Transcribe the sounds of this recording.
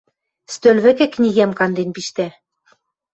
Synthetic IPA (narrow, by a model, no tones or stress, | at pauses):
st̪ølβɘ̆kĕknʲiɣæmkɑnd̪enpiʃt̪æ